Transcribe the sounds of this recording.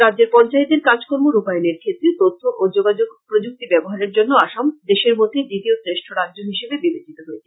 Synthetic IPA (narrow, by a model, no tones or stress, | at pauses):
ɾadd͡ʑeɾpɔnt͡ɕaet̪eɾkad͡ʑkoɾmoɾupajoneɾkʰet̪ːɾet̪ot̪ʰːoʔod͡ʑoɡad͡ʑoɡpɾod͡ʑuk̚t̪ibɛboɦaɾeɾd͡ʑonːoaʃamd̪eʃeɾmod̪ʱedit̪iosɾeʃʈʰoɾadʑoɦiʃebebibet͡ɕʰit̪oɦoet͡ɕʰe̥